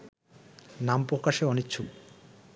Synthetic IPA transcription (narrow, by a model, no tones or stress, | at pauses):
nampɾokaʃeɔnikːt͡ɕʰu